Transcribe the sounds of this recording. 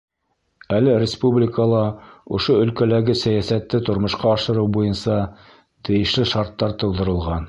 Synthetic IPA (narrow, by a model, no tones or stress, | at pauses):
ælɘɾʲɪspublʲɪkəlˠɑŏʃoɵ̆lkælæɡɘsæjæsæt̪ːɘt̪ŏɾmŏʃqɑːʃɤ̆ɾɤwbujɤnsɑ | t̪ɘ̆jɘ̆ʃlɘʃɑɾt̪ːɑɾt̪ŏlˠd̪ɤ̆ɾɤ̆lˠʁɑn